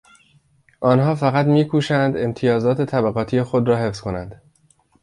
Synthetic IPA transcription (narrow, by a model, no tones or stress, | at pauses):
ʔɒːnɦɒːfæɣæt̪miːkʰuːʃænd̪e̞mt̪ʰijɒːzɒːt̪ʰe̞t̪ʰæbæɣɒːt̪ʰiːjexod̪ɾɒːɦe̞fz̥ko̞nænd̪̥